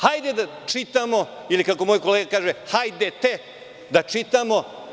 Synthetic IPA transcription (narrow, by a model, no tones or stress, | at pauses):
hajd̪ed̪a | t͡ʃit̪amo̞ilikako̞moːjkoleːɡakaːʒehajd̪et̪e | d̪at͡ʂit̪amo̞